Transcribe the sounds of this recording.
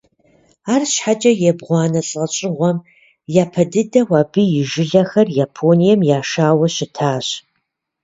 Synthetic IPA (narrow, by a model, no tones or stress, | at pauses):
aːrɕħat͡ʃʼɐjɛbʁʷɑːnɐɬʼɐt͡ʃʼɪʁʷɔm | jaːpʰɐdɨdɐwaːbɨjɪʒɪɮɐxɐrjapʰoːnijɛmjaːʃaːwɐɕɪtʰaːɕ